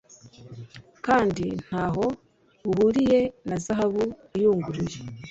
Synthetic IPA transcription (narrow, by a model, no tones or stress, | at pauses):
kaːndin̥haːɦo̞ | βuhuɾije̞nazaɦaβu | ijuːŋɡuɾiɾe